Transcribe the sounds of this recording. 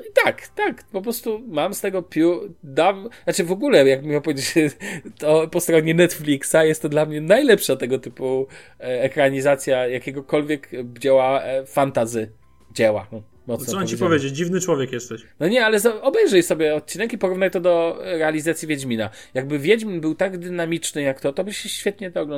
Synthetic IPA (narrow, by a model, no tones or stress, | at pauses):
it̪akt̪akpɔpɾɔst̪umamst̪ɛɡɔpʲjud̪avnat͡ʂɘvɔɡulɛjaɡbmʲɔpɔvʲed͡ʑet͡ɕt̪ɔpɔst̪ɾɔɲɛnɛt̪flʲiksajɛst̪ːɔd̪lamɲɛnajlɛpʂat̪ːɛɡɔt̪ɘpu | ɛkɾaɲizat̪sʲjajakʲɛɡɔkɔlvʲjɛkd͡ʑɛwafant̪azɘ | d͡ʑɛwa̰ | mɔt̪ɔsɔant͡ɕipɔvʲjed͡ʑet͡ɕd͡ʑivnɘt͡ʂwɔvʲjɛkjɛst̪ɛɕnɔɲɛalɛzaɔbɛjʐɛjsɔbʲjɛɔt̪̚t͡ɕinɛkipɔɾuvnajt̪ɔd̪ɔɾɛalʲizat̪sʲjivʲjɛd͡ʑmʲina | jaɡ̚bɘvʲjɛd͡ʑmʲinbɘwt̪aɡd̪ɘnamʲit͡ʂnɘjakt̪ɔt̪ɔbɘɕɛɕfʲɛt̪ɲɛd̪ɛɔɡlɔn